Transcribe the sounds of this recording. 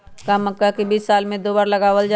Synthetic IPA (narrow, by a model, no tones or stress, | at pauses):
kaməkːakibiːsːaːlmẽd̪oːbaːɾlɐɡaːʋəld͡ʒa